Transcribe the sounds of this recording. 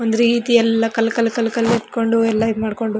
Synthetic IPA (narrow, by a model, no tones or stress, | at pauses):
ond̪uɾiːt̪iɛlːɐkɐlɐkɐlkɐlkɐliʈko̞ɳɖuɛlːɐimaːɖko̞ɳɖu